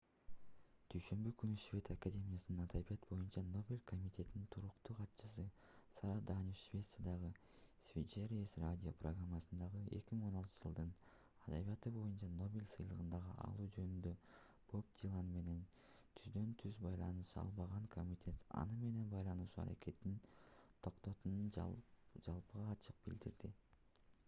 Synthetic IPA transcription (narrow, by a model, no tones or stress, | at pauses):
d̪̥yjʃø̞mbykynyʃvʲe̞t̪akadʲe̞mʲijasɯnɯnɑd̪abijɑt̪bo̞junt͡ʃɑno̞bʲelʲkʰo̞mʲit̪ʰʲe̞t̪inint̪ʰuɾuqt̪uːqʰɑt̪t͡ʃɯsɯ | sɑɾad̪aniʃvʲe̞t̪sjad̪ɑʁɯ | sʲvʲit͡ʃeɾʲiesradʲio̞̰proɡramːɑsɯnd̪ɑʁɯe̞kʲimiŋo̞nɑlˠt̪ɯd͡ʒɯlˠd̪ɯn | ɑd̪aβijɑt̪ɯbo̞junt͡ʃɑno̞bʲilʲsɯjlˠɯʁɯnd̪ɑʁɯʔɑ̰lˠuːd͡ʒø̞nynd̪ø̞ | b̥o̞p̚d̪ʲilˠɑnme̞ne̞n | t̪ʰyzd̪ø̞nt̪ʰyzbɑjlˠɑnɯʃɑ̰lˠβɑʁɑŋkʰo̞mʲit̪ʲʰe̞t̪ɑ̰nɯme̞ne̞nbɑjlˠɑnuʃuːɑ̰ɾa̰ke̞t̪ːint̪ʰo̞qt̪o̞t̪unund͡ʒɑlˠpɯʁɑːt͡ʃʰɯq̚bḭld̪iɾd̪i